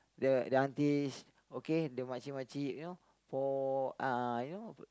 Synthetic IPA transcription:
dədəãnt̪is | okedəmat͡ʃimat͡ʃiʔno | pɔajino

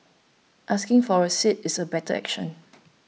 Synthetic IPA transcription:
ʔaskɪ̃ŋfɔɹəsitɪsəbɛtəɛ̰kʃə̃n

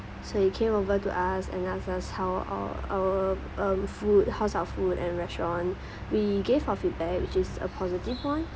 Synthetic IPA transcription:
soit̚kʰẽmovətuʔasɛ̰̃nasashaʊa̰a̰wə | ʌ̃mfut̚haʊsaʊəfutɛ̃nɹɛstɹɔ̃n | wiɡevaʊəfit̚bɛk̚wɪt͡ʃɪsə̰pʰɔzitivwãn

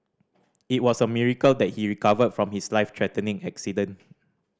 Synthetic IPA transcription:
it̚wɔsəmiɹikəldɛt̚hiɹikavədfɹɔ̃mhislaɪftʰɹɛtə̃nĩŋɛksidə̃n

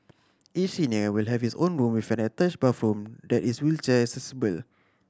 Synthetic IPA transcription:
ʔisiniəwilɦɛfhisõnɹũmwifɛ̃nətat͡ʃbafɹũmdɛtiswilt͡ʃəɛksɛsibəl

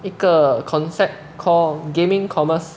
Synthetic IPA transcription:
ikəkʰɔ̃nsɛp̚ | kʰɔlɡẽmĩŋkʰɔməs

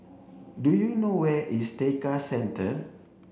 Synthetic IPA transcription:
dujunowɛʔistekasɛ̃ntʰə

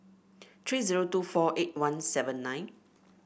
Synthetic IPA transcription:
t̪ʰɹiːziɹotufɔʔet̚wãnsɛvə̃nːãj̃n

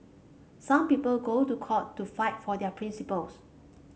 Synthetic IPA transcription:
sãmpipəlɡotukʰɔtːufaɪtfɔdɛpʰɹĩnsipəls

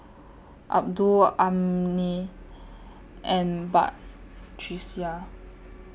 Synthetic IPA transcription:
ʔa̰p̚duamni | ɛ̃nba̰ʔt͡ʃʰɹisja

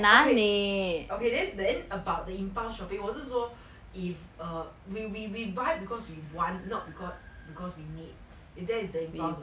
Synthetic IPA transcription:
nakeneokedɛ̃ndɛ̃nəbaʊt̚dəĩmpãʊ̃ʃɔpĩŋwɔsəso | ifʌ | wiwiwibaɪbikɔswiwɔ̃nnɔt̚bikɔs | bikɔswinit̚ | idɛ̃isdəĩmpãs

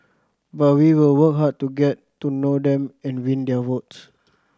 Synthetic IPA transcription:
bawiwilwəkɦad̚tuɡɛt | tːunodɛ̃mɛ̃nwĩndɛəwɔts

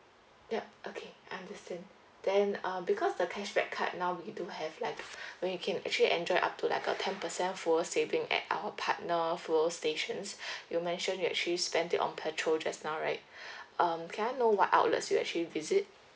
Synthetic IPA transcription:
jaʔokʰeaãndəstɛ̃nd | d̥ɛ̃nʌ̃bikʰɔsdəkʰɛʃbɛ̰kkʰːa̰t̚naʊwiduhɛvlaɪkwɛ̃njukʰɛ̃nɛ̰k̚t͡ʃuəliʔɛ̃nd͡ʒɔɪʔa̰p̚tʰula̰ɪkə̰tʰɛ̃npəsɛ̃nfɔsevɪ̃ŋɛ̰t̚ʔa̰wəpʰat̚nəfulsteʃə̃nsjumɛ̃nʃə̃njuɛ̰k̚t͡ʃəlispɛ̃nditɔ̰̃npʰɛtʰɹold͡ʒasnaʊɹaɪt̚ʔʌ̃mkʰɛ̃naɪnowɔtʔa̰ʊtlə̰tsjuɛ̰k̚t͡ʃəlivizit̚

